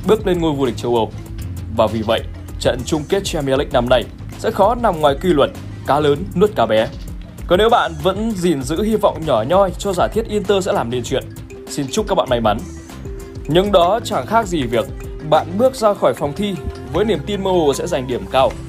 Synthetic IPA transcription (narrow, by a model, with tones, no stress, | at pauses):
ɓɨ˦˥ək̚le˧nŋo˧jvu˧li˨˩k̟̚t͡ɕə˧wʔə˨˩w | vaː˨˩vi˨˩və̰˧˨j | t͡ɕə̰˧˨nt͡ɕʊ˧ŋ͡mke˦˥t̚t͡ɕɛ˧mi˨˦lï˧˥ŋ̚na˧mna˨˩j | sɛ̰˧˥xɔ˨˦na˨˩mŋwaː˨˩jkwi˧lwə˧˩n̚ | kaː˨˦ləː˨˦nːɨ˦˥ət̚kaː˨˦wɓɛ˨˦ | kɔ˨˦ne˨˦wɓa̰ː˧˨nvə̰˧˥nzi˨˩nzɨ̰˧˥hi˧vɔ̰˧˨wŋ͡mɲɔ˧˩ɲɔ˧jt͡ɕɔ˧zaː˧˩jt̪ʰi˦˥ət̚ʔi˧ənt̪əː˧sɛ̰˧˥laː˨˩mɗi˧˩nt͡ɕwḭ˧˨ən | si˧nt͡ɕʊ˦˥k͡p̚kːa˦˥k̚ɓa̰ː˧˨ma˧jma˨˦n | ɲɨ̰˧ŋɗɔ˨˦t͡ɕa˧˩xaː˦˥k̚zi˨˩vi˨˩ək̚ | ɓa̰ː˧˨nɓɨ˦˥ək̚zaː˧xɔ˧˩jfɔ˨˩wŋ͡mt̪ʰi˧ | vəː˨˦jni˨˩əmt̪i˧nməː˧ho˨˩sɛ̰˧˥za˨˩jŋ̟ɗi˧˩əmkaː˧w